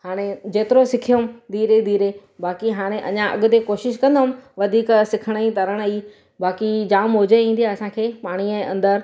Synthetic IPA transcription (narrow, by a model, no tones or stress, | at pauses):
haːɽ̃ed͡ʑeːt̪ɪɾosɪkʰijəmd̪ʱiːɾed̪iːɾe | baːkiɦaːɽ̃eʔɐ̰ɲãʔɐ̰ɠʊ̆t̪̬ekoːʃɪʃkɐ̃nd̪ʊmʋɐd̪ʱiːksɪkʰəɽ̃əĩt̪ɐɾəɽ̃iː | baːkid͡ʑaːmɦʊd͡ʑeĩːn̆d̪ijaɐsãkʰeːpaːɽ̃iɛ̃ːʔɐ̃nd̪əɾ